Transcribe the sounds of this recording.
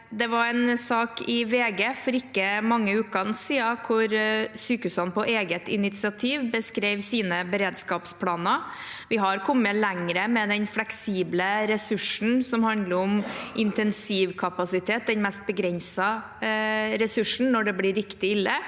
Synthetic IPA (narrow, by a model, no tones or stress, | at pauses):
d̪ɛʋɑɾɛnsɑːkɪʋeːɡeːfɔɾɪkːəmɑŋːəʉːkɑnsiːɑkʰʊɾsyːkhʉːshɑnpʰɔʔeːɡət̪ɪnɪt̪sɪɑt̪ʰiːʋbəskɾeɪʋsiːnəbəɾeːd̪skɑːpspʰlɑːnɑʋɪɦɑɾkʰɔmːəlɛŋɾəmɛd̪ɛnflɛksiːbləɾɛsʉʂn̩sɔmhɑnd̪ləɾɔmʔɪnt̪ɛnsiːʋkʰɑpɑsɪt̪ʰeːt̪̚d̪ɛnmɛst̪̚bəɡɾɛnsɑ | ɾɛsʉʂɳ̩nɔɖɛblɪɾːɪkt̪ɪɪlːə